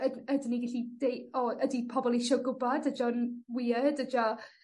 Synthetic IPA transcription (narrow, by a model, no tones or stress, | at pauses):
ədədniɡɪɬidejɔədipʰɔbɔlˠiʃoɡʊbadəd͡ʒɔnwiːədəd͡ʒɔ